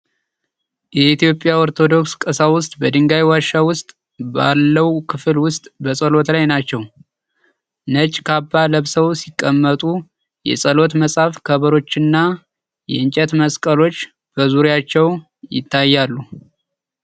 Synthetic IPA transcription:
jɛit̪ijo̞pʼːjaoɾt̪ʰo̞d̪o̞kskʼəsawʊst̪ʼbəd̪ɨŋɡajwaʃːawʊst̪ʼ | ba̰lːəwkʰɨflwʊst̪ʼbəsʼəlo̞t̪lajnat͡ʃːɛw | nət͡ʃʼkʰabːaləβsəwsikʼːəmːət̪ʼu | jɛ̰sʼəlo̞t̪məsʼafkʰəβəɾo̞t͡ʃːɨnːa | jɛɨnt͡ʃʼɛt̪məskʼəlo̞t͡ʃː | b̥əzuɾjat͡ʃːɛw | jɪ̰t̪ʰːajːalːu

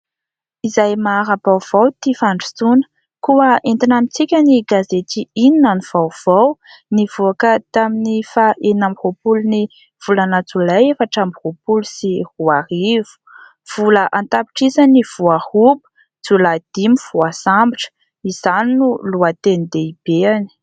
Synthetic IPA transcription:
izajmaɾabawv̥awt̪ifaɳɖ͡ʐut͡sunə̥ | kuəent̪inamit͡sikʲəniɡazet̪iininanuv̥awv̥aw | nivuakət̪aminifaʔenamihopuluni | v̥ulanət͡sulajefaʈ͡ʂambiropulusihuaɾivu̥ | v̥uləʔant̪api̥ʈ͡ʂizaniv̥uahubə̥ | t͡sulad̪̥imivuasambiʈ͡ʂə̥ | iz̥aninuluat̪enid̪eib̥eani̥

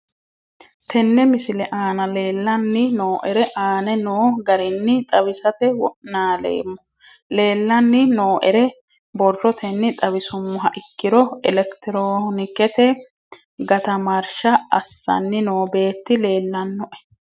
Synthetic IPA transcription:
t̪ʰɛnːɛmɪsɪlɛʔaːnɐle̞ːlːɐnːɪnoːʔɛɾɛʔaːnɛnoːɡɐɾɪnːɪt̪ʼɐbɪsɐt̪ɛwɔʔnaːlḛːmːɔ | le̞ːlːɐnːɪnoːʔɛɾɛ | bɔrːɔt̪ʰɛnːɪt̪ʼɐbɪsʊmːʊɦɐʔɪkːɪɾɔɛlɛkt̪ɪɾoːnɪkɛt̪ɛ | ɡɐt̪ɐmɐɾʃɐɐsːɐ̰nːɪnoːbe̞ːt̪ːɪle̞ːlːɐnːɔʔɛ̥

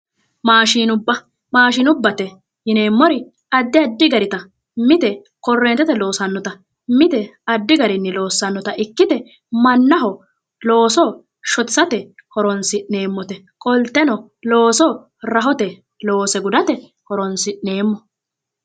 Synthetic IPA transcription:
maːʃiːnʊbːɐ | maːʃinʊbːɐt̪ɛ | jɪne̞ːmːɔɾɪ | ɐd̪ːɪɐd̪ːɪɡɐɾɪt̪ɐ | mɪt̪ɛ | kɔrːeːnt̪ːɛt̪ɛlo̞ːsɐnːɔt̪ɐ | mɪt̪ɛɐd̪ːɪɡɐɾɪnːɪlo̞ːsːɐnːɔt̪ɐʔɪkːɪt̪ɛ | mɐnːɐɦɔ | lo̞ːsɔ | ʃɔt̪sːɐt̪ɛkɔɾɔnsɪʔne̞ːmːɔt̪ɛ | kʼɔlt̪ːɛnɔ | loːsɔ | ɾɐɦɔt̪ɛ | lo̞ːsɛɡʊd̪ɐt̪ɛ | kɔɾɔnsɪʔne̞ːmːɔ

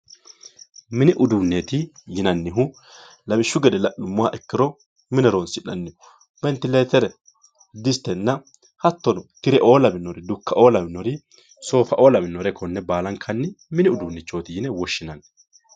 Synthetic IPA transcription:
mɪnɪʔʊd̪unːet̪ɪjɪnɐnːɪɦʊ | lɐbɪʃːʊɡɛd̪ɛlɐʔʊmːʊwaʔɛkːɪɾɔ | mɪnɛɾoːnsɪᶑɐnːɪhʊ | b̥ɛnt̪ɪleːt̪ɛɾɛ | d̪ɪst̪ɛnːɐ | hɐt̪ːɔnɔkɪɾɛʔo̞ːlɐbɪnːɔɾɪd̪ʊkːɐʔo̞ːlɐbɪnːɔɾɪ | so̞ːfɐʔo̞ːlɐmɪnːɔɾɛkʰɔnːɛbaːlɐŋkʰɐnːɪmɪnɪʊd̪unːɪt͡ʃːo̞ːt̪ɪjɪnɛwɔʃːɪnɐn

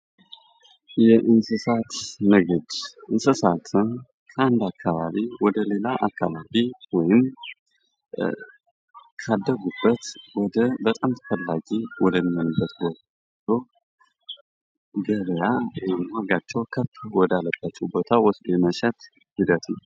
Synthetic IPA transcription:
jɛʔɨnsɨsat̪nɨɡɨd̪ʔɨnsɨsat̪ʰɨn | kʰəand̪akʰːaβaβiwɔd̪əle̞laʔakːaβaβiwɔjɪm | kʰad̪ːəɡubːət̪wɔd̪əbət̪ʼamt̪ʰə̥fəlːaɡiwɔd̪əmənubət̪wɔk | lo | ɡəβəjawjmaɡat͡ʃːɛwkʰət̪ːwɔd̪alːəb̥at͡ʃːɛwbot̪ʰawɔsd̪ojɛməʃɛt̪ | hid̪ət̪ʰɨ

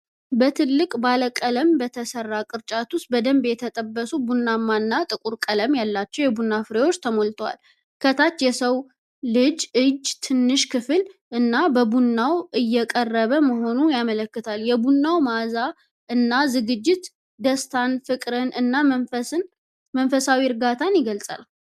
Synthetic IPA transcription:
bət̪ʰɨlːɨkʼbaləkʼələmbət̪ʰəsərːakʼɨɾt͡ʃʼat̪ʰust̪̚bəd̪əmbjɛt̪ʰət̪ʼəbːəsubunːamːaɨnːat̪ʼɨkʼuɾkʼələmjalːat͡ʃːɛwjɛbunːafɨɾewo̞t͡ʃːt̪ʰəmolt̪ʰwa̰l | kʰət̪ʰat̪ːjɛsəw | lɨd͡ʒɨd͡ʒt̪ʰɨnːɨʃkʰɨfɨlʔɨnːabəbunːawʔɨjːɛkʼərːəβəməɦo̞nujamələkːɨt̪ʰaljɛbunːawmaza | ʔɨnːazɨɡɨd͡ʒːɪt̪ | d̪əst̪ʰanfɨkʼɾɨnɨnːan | mənfəsawiɾɡat̪ʰanjɪɡəlsʼa̰l

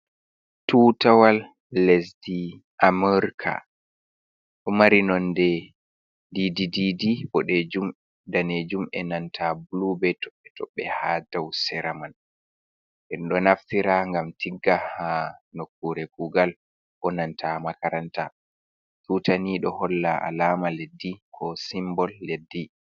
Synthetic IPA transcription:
tutawalː | ɛsdi | ʔamɛɾkʰa̰ | ɗɔmaɾinɔndɛ | didididiɓɔɗɛd͡ʒum | daned͡ʒumɛnantʰablubɛtɔɓɛtɔɓːɛhadawsɛɾaman | ʔɛnɗɔnaftiɾaŋɡamtʰiɡːahanokːuɾɛkuɡal | ɓɔnantʰamakaɾanta̰ | tutaniɗɔhɔlːaʔa̰laːmaledːikʰɔsimbɔlːedːi

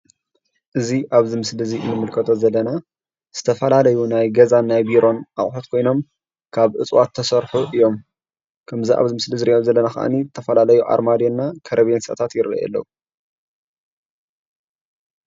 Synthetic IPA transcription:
ʔɨziʔaβzimɨslɨziʔɨnːɨmɨlkʰɐt̪ʰo̞zɐlːɐna | z̥ɨt̪ʰɐfɐlalɐjunajɡɐzanːajbiɾo̞nʔa̰ʔʼħot̪̚kʰo̞jno̞m | kʰaβʔɨt͡sʼwat̪ʰːɐsɐɾħuʔɨjo̞m | kʰɐmziʔa̰βzɨmɨslɨzɨɾiʔomzɐlːɐnaxɐ̰ʔa̰nizɨt̪ʰɐfɐlalɐjuʔa̰ɾmad̪jonːakʰɐɾɐβjensʔɐ̰t̪ʰat̪jɪɾɐ̰ʔɛ̰lːɐ̰

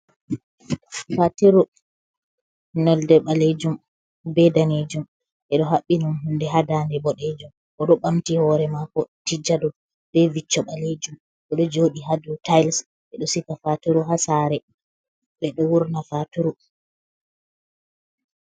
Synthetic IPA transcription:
fatuɾu | nɔldɛɓaled͡ʒum | bɛdaned͡ʒum | ʔɛɗɔɦaɓːinunɦundɛɦadandɛbɔɗed͡ʒum | ʔɔɗɔɓamtihɔɾɛmakɔtid͡ʒadɔ | b̥ɛvit͡ʃːɔɓaled͡ʒum | ɓɛɗɔd͡ʒoːɗiɦadutajls | ɓɛɗɔsikafatuɾuɦasaɾɛ | ɓɛɗɔwuɾnafatuɾu

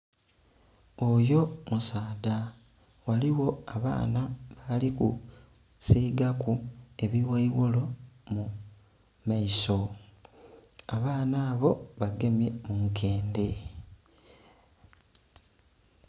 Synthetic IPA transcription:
ojo̞musaːda | waliwo̞aβa̰ːnaβalikṵ | siːɡakue̞βiweiwolo̞mu | maiso̞ | aβaːnaːβo̞βaɡe̞mje̞muŋke̞ːnde̞

